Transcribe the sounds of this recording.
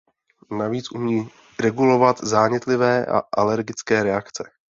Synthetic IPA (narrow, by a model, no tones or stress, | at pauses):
naviːt͡sʔumɲiː | ɾɛɡulo̞vat̪zaːɲɪt̪lɪvɛːʔa̰ʔalɛɾɡɪt͡skɛːɾɛakt͡sɛ